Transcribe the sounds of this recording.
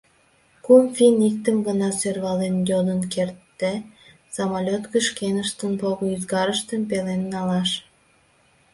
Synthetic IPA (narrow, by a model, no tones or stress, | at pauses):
kumfinik̚t̪əmɡənɑsørβɑlenjod̪ənkert̪ːe | sɑmɑlʲot̪kəʃkenəʃt̪ənpoɣoyzɣɑɾəʃt̪əmpelenːɑlɑʃ